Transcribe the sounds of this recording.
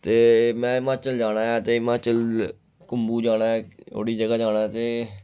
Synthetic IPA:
t̪eːmɛ̃ːmãːt͡ʃəld͡ʒaːɽ̃aːjaːt̪eːmãːt͡ʃəl | kʊmbuːd͡ʒaːɽaːɛːo̰ːɽiːd͡ʒəɡaːd͡ʒaːnaːt̪eː

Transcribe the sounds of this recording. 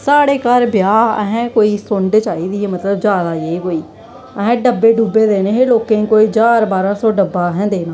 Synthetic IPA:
saːɽeːkəɾbjaːə̰ɦɛ̃ːkoːiːsʊɳɖt͡ʃaːiːd̪iːeːmət̪ləbd͡ʒjaːd̪aːekoːiː | əɦɛ̃ːɖəbːeːɖuːbeːd̪eːneːɦeːloːkẽːkoːiːd͡ʒaːɾbaːɾãːsɔːɖəbːaːɦɛ̃ːnd̪eːnaː

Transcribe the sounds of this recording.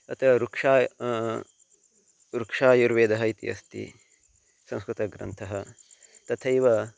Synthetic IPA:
ɐt̪ʰɐɾukʂaː | ɾukʂaːjuɾʋeːd̪ɐɦɐit̪ḭɐ̰st̪ḭ | sɐ̃w̃skɾut̪ɐɡɾɐ̰nt̪ʰɐɦɐt̪ɐt̪ʰɐjʋɐ

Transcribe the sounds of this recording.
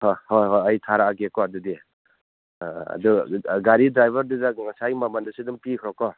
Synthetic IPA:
hojhojɦojajtʰaɾaaɡekɔadudi | a̰duɡaɾidɾajbʱaɾdudaŋasajmamandɯsidumpikʰɾɔkɔ

